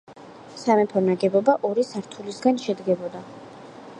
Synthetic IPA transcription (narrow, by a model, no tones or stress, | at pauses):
samɛpʰɔnaɡɛbɔbaʔɔɾisaɾt̪ʰulisɡanʃɛd̪ɡɛbɔd̪a